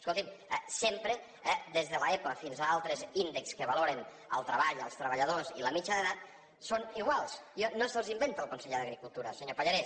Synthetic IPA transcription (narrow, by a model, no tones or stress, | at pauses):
skolˠt̪imsempɾə | d̪ezðələɛpuəfinzaalˠt̪ɾəzind̪əkskəβaloɾen | ə̰lˠt̪ɾəβaʎəlˠst̪ɾəβ̞əʎəðoziləmit͡ʃəðəðat̪̚ | soniɣwalˠsjonosəlˠzimbent̪əlˠkunseʎeðəɣɾikulˠt̪uɾəsəɲopaʎaɾes